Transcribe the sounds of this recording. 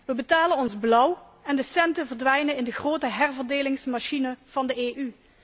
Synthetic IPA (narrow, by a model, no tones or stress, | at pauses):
ʋəbətaːlənɔnzblʌw | ɛndəsɛntəvəɹdʋɛjnənɪndəɣroːtəɦɛrvəɹdeːlɪŋsmaʃinəv̥ɑndəeːʔy